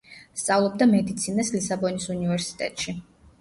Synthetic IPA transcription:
st̪sʼavlˠɔb̚d̪amɛd̪it̪sʰinaslisabɔnisunivɛɾsi̥t̪ʼɛ̰t̪ʼʃi

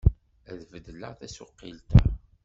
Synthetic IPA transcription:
æðvəd̪ːlə̰ʁθæsʊqːilt̪æ̰

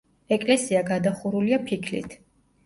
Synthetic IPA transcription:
ɛkʼlɛsiaɡad̪aχuɾuliapʰikʰlḭt̪ʰ

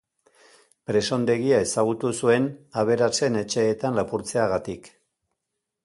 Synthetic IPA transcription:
pɾe̞so̞nd̪e̞ɣiae̞saɣ̞ut̪usue̞naβ̞e̞ɾase̞ne̞t͡ʃe̞ːt̪anlapuɾt͡se̞aɣat̪ik

